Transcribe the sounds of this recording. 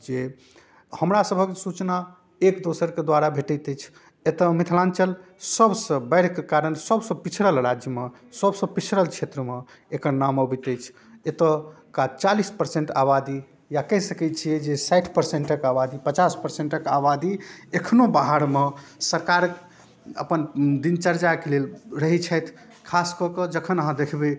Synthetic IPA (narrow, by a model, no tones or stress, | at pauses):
d͡ʒe | həmɾasəbʱəksut͡ʃna | ekd̪osəɾked̪waɾabʱeʈət̪ɛt͡ʃʰ | et̪əmit̪ʰlãnt͡ʃəlsəbsə̃bəɪɾkekaɾənsəbsə̃pit͡ʃʰɾəlɾad͡ʒjəme | səbsə̃pit͡ʃʰɾəlt͡ʃʰet̪ɾəme | ekəɾnaməbit̪əjt͡ʃʰ | et̪ə | kat͡ʃalispəɾsẽɳʈaβad̪i | jakəɦsəkɛt͡ʃʰijɛd͡ʒesajʈʰpəɾseɳʈəkabad̪ipət͡ʃaspəɾseɳʈəkabad̪iekʰnobaɦaɾmesəɾkaɾk | ə̰pənd̪int͡ʃəɾd͡ʒakelelɾəɦit͡ʃʰəjt̪ʰ | kʰaskɔkəd͡ʒəkʰənəɦãd̪ekʰbe